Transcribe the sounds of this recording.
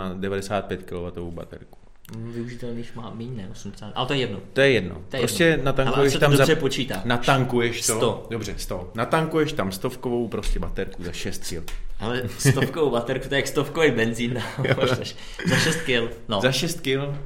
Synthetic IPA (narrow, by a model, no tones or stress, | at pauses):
adɛvadɛsaːt̪̚pjɛt̪kɪlovat̪ovowba̰t̪ɛ̰ɾku̥ | vɪuʒɪt̪ɛlniːʃmaːmiːɲnɛʔosumdɛsaːt̪ʔa̰lɛt̪ojɛjɛdnot̪ojɛjɛdno̰ojɛjɾɛoscɛnat̪aŋkujɛʃɛt̪amdzarɛpot͡ʃiːt̪aːnat̪aŋkujɛʃtsot̪odobr̝ɛst̪onat̪aŋkujɛʃt̪amst̪ofkovowpɾoscɛbat̪ɛɾkuzaʃɛst̪̚kɪ̰lalɛst̪ofkovowbat̪ɛɾkut̪ojɛjakst̪ofkovejbɛnziːnt̪aɛʃ | zaʃɛst̪̚kɪlnozaʃɛst̪kɪl